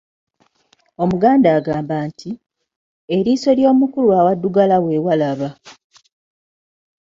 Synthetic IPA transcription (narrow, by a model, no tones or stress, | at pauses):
o̞muɡaːndaːɡaːmbaːntʰi | eɾiːso̞ljo̞ːmukulwaːwadːuɡalawe̞ːwalaβa